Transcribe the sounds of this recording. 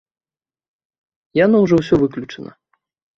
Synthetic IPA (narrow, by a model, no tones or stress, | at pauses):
janɔwʐɔwsʲɔvɨklʲut͡ʂɐnɐ̰